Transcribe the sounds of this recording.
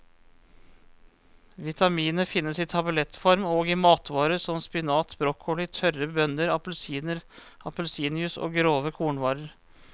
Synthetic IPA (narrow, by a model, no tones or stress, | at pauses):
ʋɪt̪ʰɑmiːnnəfɪnːəsiːt̪ʰɑbəlɛt̪fɔɾmoːɡimɑːt̪ʋɑːɾəsɔmspɪnɑːt̪bɾɔkʰɔlɪt̪ʰœrəbœnəɾɑpəlsiːnəɾ | ɑpəlsiːnɪʉso̰ːɡɾoːʋəkʰuːɳʋɑːɾəɾ